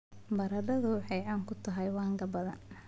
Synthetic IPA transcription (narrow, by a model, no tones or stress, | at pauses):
bɐɾɐɖɐðʊwħɑjʕaːŋkʰʊt̪ʰɐɦɐjwɑːŋɡɐbɐðɐ̰n